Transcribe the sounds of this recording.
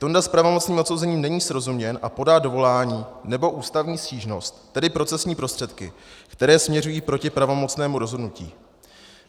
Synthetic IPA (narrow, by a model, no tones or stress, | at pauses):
t̪ondaspɾavo̞mo̞t͡sniːmot̪sowzɛɲiːmnɛɲiːsɾo̞zumɲɛnʔa̰po̞daːdo̞vo̞laːɲiːnɛbo̞ʔuːst̪avɲiːsciːʒno̞st̪ːɛdɪpɾo̞t͡sɛsɲiːpɾo̞st̪r̥ɛt̪kɪ̰kt̪ɛɾɛːsmɲɛrujiːpɾo̞cɪpɾavo̞mo̞t͡snɛːmuɾo̞zɦo̞dnucḭː